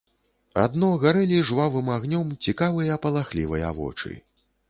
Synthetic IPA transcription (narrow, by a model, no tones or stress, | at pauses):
a̰d̪nɔɣaɾɛlʲiʐvavɨmaɣnʲɔmt͡sʲikavɨjɐpɐlˠaxlʲḭvɐjɐ̰vɔ̰t͡ʂɨ̰